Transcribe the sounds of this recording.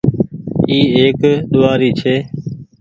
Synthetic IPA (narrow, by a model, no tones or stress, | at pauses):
iːeːkɗ̪ʊʋaːɾiːt͡ʃʰeː